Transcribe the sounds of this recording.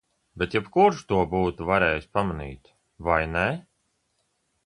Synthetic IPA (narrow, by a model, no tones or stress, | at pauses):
bet̪jɛpkuɾʃt̪uɔbuːt̪uvaɾɛːjsʲpamanḭːt̪ | vajnɛ